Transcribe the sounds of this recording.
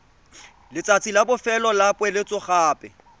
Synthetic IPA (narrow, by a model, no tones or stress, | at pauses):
lɪt͡sʼat͡sʼilabʊfɛlɔlapʼwɛlɪt͡sʼʊχaːpʼɛ